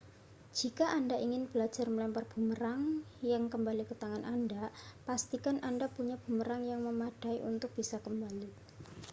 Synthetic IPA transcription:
d͡ʒ̥ikaʔandaʔiŋɪnb̥əlḁd͡ʒarməlɛmparb̥ṳməɾaŋjaŋkəmbalikət̪aŋanʔandapast̪ikanʔandapuɲab̥ṳməɾaŋjaŋməmad̥aiʔṵnt̪ʊk̚b̥isakəmbali

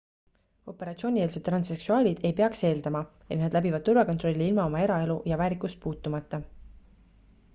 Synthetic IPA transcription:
o̞pe̞ɾɑt̪sio̞nʲieːlset̪ːrɑnse̞ksuɑːlʲid̪̥e̞jpe̞ɑkse̞ːld̪̥ɑmɑ | et̪ned̪læbivɑd̥̪̚t̪uɾvɑkot̪ro̞lʲːiilmɑo̞mɑe̞ɾɑe̞lujɑvæːɾikːˑust̪̚puːt̪ːˑumɑt̪ːɑ

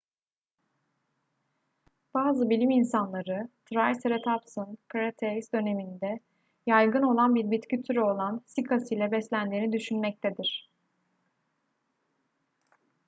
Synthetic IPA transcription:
b̥aːzɯbilʲiminsanlˠaɾɯt̪ʰɾajsɾet̪ʰapsɯnkʰaɾat̪ʰeɾisd̪ø̞ne̞mind̪ɛ | jajɡɯno̞lˠanbiɾbit̪cyt̪ʰyɾyo̞lˠansikʰasɯjlʲɛbɛslʲænd̪iːnid̪yʃynmɛc̚t̪ʰed̪iɾ̝̥

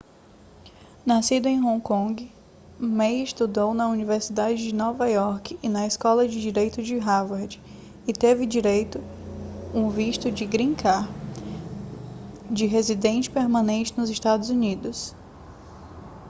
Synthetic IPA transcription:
nasid̪ʊẽj̃ɦõkõɡɪ | mejɪst̪ud̪ownɐuniveɾsid̪ad͡ʒɪd͡ʒɪnɔvɐjɔɾkɪɪnɐɪskɔlɐd͡ʒɪd͡ʒiɾejt̪ʊd͡ʒɪɦavaɾd͡ʒɪ | ɪt̪evɪd͡ʒiɾejt̪ʊ | ũviʃt̪ʊd͡ʒɪɡɾĩkaɾ | d͡ʒɪɦezid̪ẽnt͡ʃɪ̥peɾmɐ̃nẽnt͡ʃɪnʊzɪʃt̪ad̪ʊzunid̪ʊs

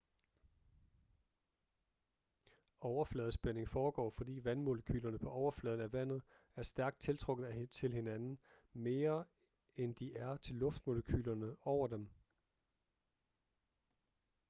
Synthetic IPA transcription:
ɒʊɐflɛːð̞̩ˠsb̥ene̝ŋfɒːɡ̥ɒ̰ːfɒ̽d̥ḭːʋænmo̝ləkʰy̰ːlɐnəpʰɒ̽ʔɒʊɐflɛːð̞ˠn̩æʋæn̰ð̞̩ˠ | æɐsd̥æɐɡ̥d̥̚t͡sʰe̝lt͡sʰʁɔ̽ɡ̥ð̩ˠæt͡sʰe̝lhe̝nænn̩ | me̝ːɐ | end̥iʔæɐt͡sʰe̝lːɔ̽fd̥mo̝ləkʰy̰ːlɐnəɒʊ̰ɐd̥em

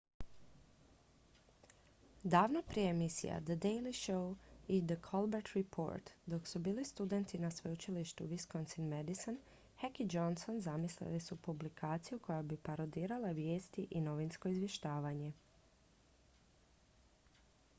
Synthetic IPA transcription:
d̪aːʋnopɾijeemisḭja̰d̪əd̪ejliʃowid̪əkʰolˠbeɾt̪ɾipʰo̰ːɾt̪d̪o̞ksubiːlist̪ud̪e̞nt̪inasʋeut͡ʃiliʃt̪uʋiskonsinmed̪ison | hakid͡ʒonso̞nzamislḭlisupublikʰaːt̪sijukʰo̞jabipaɾod̪iːɾalˠaʋje̞ːst̪iʔino̞ʋinsko̞izʋje̞ʃt̪aːʋaɲe̞

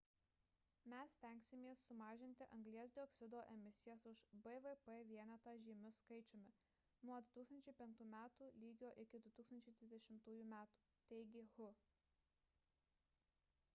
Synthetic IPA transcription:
mʲɛsːʲt̪ʲɛŋʲksʲɪmʲeːsːʊmɑːʒʲɪnʲt̪ʲɪʔɐŋɡlʲiɛs̬d̪ʲɪɔksʲɪd̪oːʔɛmʲɪsʲɪjɛsʊʃbɛʋɛpɛʋʲiɛnʲɛt̪ɑʒʲiːmʲʊskɐɪt͡ʃʲoːmʲɪ | nuɔd̪ʊt̪uːksɐnʲt͡ʃʲɛɪpʲɛŋk̚t̪uːmʲæːt̪uːlʲiːɡʲoːʔɪkʲɪd̪ʊt̪uːksɐnʲt͡ʃʲɛɪd̪ʲʋʲɪzd̪ʲɛʃʲɪmt̪uːjuːmʲæːt̪u̥ː | t̪ʲɛɪɡʲɪɣʊ

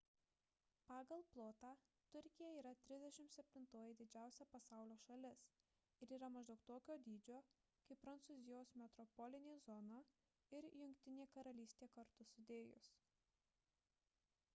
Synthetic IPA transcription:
pɑːɡɐlˠplˠoːt̪ɑː | t̪ʊɾʲkʲɪjɛiːɾɐt̪ʲɾʲɪzʲd̪ʲɛʃʲɪmt̪sʲɛpʲt̪ʲɪnt̪oːjɪd̪ʲɪd͡ʒʲæˑʊsʲɛpɐsɑˑʊlʲoːʃɐlʲɪs | ɪɾiːɾɐmɐʒd̪ɐʊkt̪oːkʲoːd̪ʲiːd͡ʒʲoː | kɐɪppːɾɐnt̪sʊzʲɪjoːsmʲɛt̪ɾɔpɔlʲɪnʲeːzɔno | ɪɾjʊŋʲkʲt̪ʲɪnʲeːkɐɾɐlʲiːsʲt̪ʲeːkɐɾt̪ʊsʊd̪ʲeːjʊ̰s

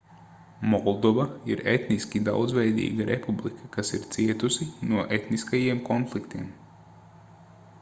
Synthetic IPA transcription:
mɔlˠd̪ɔvaiɾet̪niskʲid̪a̰wd̪zvʲɛjd̪ḭːɡaɾʔepublˠikʰakasiɾt̪siɛt̪usinuɔʔet̪niskajiɛmkɔnflˠikt̪iɛm

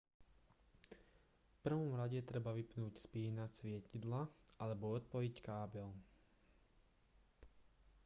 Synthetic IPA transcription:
fpr̩ʋɔmɾaɟɛt̪ɾɛbaʋipnuːcspiːnasʋɪɛcid̪laʔalɛbɔɔt̪̚pɔickaːbɛl

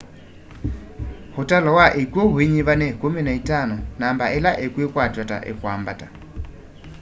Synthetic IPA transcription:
hʊtʼalɔwaʔekʼweɦʊiɲiβanɛkominaitʼanɔnambaʔɛlaʔekʼwekʼwad͡ʒɔtʼa̰ʔɪ̰kʼwambatʼa

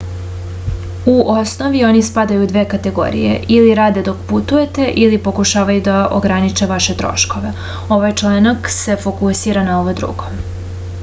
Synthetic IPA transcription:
uʔo̞sno̞ʋio̞nispad̪ajud̪ʋeːkat̪e̞ɡo̞̰ɾḭje̞̰ʔiliɾaːd̪e̞d̪o̞kput̪uje̞t̪e̞ʔilipo̞kuʃaːʋajud̪aʔo̰ɡɾanit͡ʃeʋaʃe̞t̪ɾo̰ʃko̞ʋe̞ | o̞ʋajt͡ʃlˠanakse̞fo̞kusiɾanao̞ʋod̪ɾṵːɡo̞

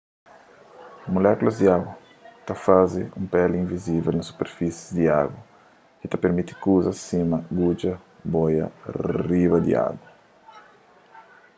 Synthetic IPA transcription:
molɛkulazd̪iaɡwa | t̪afaziumpɛlĩɱvizivelnasu̥peɾfisi̥zd̪iaɡwa | kit̪apeɾmit̪i̥kuzasimɐɡud͡ʒɐ | bojɐ̰ribɐd̪ḭa̰ɡwa

